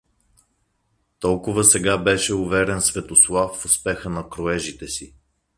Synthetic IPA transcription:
t̪ɔlˠkʊvəsɛɡabɛʃɛʊvɛɾɛnsvɛt̪oslˠafːʊspɛxənɐkɾʊɛʒit̪ɛsi

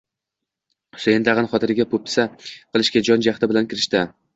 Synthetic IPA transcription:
χʊ̥sejɪnd̪aʁɨnχɒt̪ʰɪɾɪɡʲapʰʊp̚ɪ̥saqʰɨlˠɪʃɡʲad͡ʒɒnd͡ʒaχt̪ʰɪbɪlankʲʰɪɾɪʃt̪ɪ

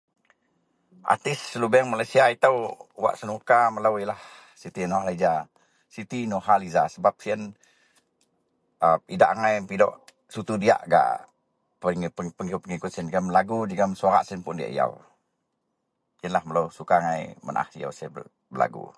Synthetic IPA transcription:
ʔa̰t̪ɪsəlubɛŋmalajsiait̪əwwa̰ʔsənukamələwilah | sit̪inoɦalad͡ʒa | sit̪inoɦalizasəbap̚siən | əidaʔŋajpidɔ̰ʔ | sut̪udia̰ʔɡa̰ʔ | pəpəŋikʊpːəŋikʊt̪siənɡəmlaɡud͡ʒiɡəmsuaɾa̰ʔsiənpʊndia̰ʔḭja̰w | iənlahmələwsukaŋajmə̰nʔa̰hḭja̰wsə | bəla̰ɡṵ

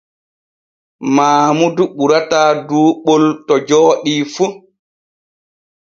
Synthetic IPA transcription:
maːmuduɓuɾataːduːɓoltɔd͡ʒɔːɗifu

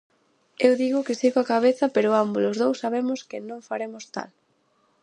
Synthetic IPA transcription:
ewðiɣʊkɪsiɣoakaβ̞eθɐpeɾʊambulʊzðowsːaβemʊskɪnõŋfaɾemʊst̪a̰l

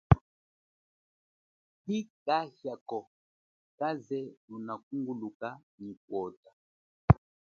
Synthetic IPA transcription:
tikahjakɔ | kazɛlunak̚uŋɡulukanikwɔta

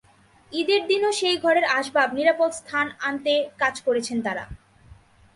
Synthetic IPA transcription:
id̪eɾd̪inoʃejɡʱɔɾeɾaʃbabniɾapod̪st̪ʰanant̪ekad͡ʑkoɾet͡ɕʰent̪aɾa̰

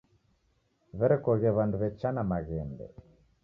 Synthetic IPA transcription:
βɛɾɛkɔɣɛβanduβɛt͡ʃanamaɣɛmbɛ̰

